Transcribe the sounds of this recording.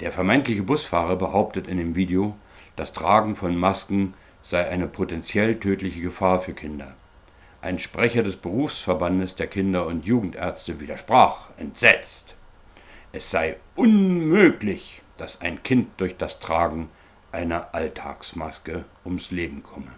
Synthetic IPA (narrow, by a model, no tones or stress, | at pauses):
d̥eːɐfɛɐmaɪntlɪçəbʊsfaːʁɐbəhaʊp̚tətɪndeːmviːdeo | d̥astʁ̥aːɡŋ̩fɔnmaskŋ̩ | z̥aɪʔaɪnəpʰotɛnt͡sjɛltʰøːtlɪçəɡəfaːɐfyːɐkʰɪndɐ | ʔaɪnʃpʁ̥ɛçɐdɛsb̥əʁuːfsfɛɐbandəsd̥eːɐkʰɪndɐʊntjuːɡŋ̩tʔɛɐt͡stəviːdɐʃpʁ̥aːχʔɛntz̥ɛt͡st | ʔɛsz̥aɪʔʊnmøːklɪçd̥asaɪnkʰɪnt̚d̥ʊɐçd̥astʁ̥aːɡŋ̩ | ʔaɪnɐʔaltʰa̰ːksmaskəʔʊmsleːbm̩kʰɔmə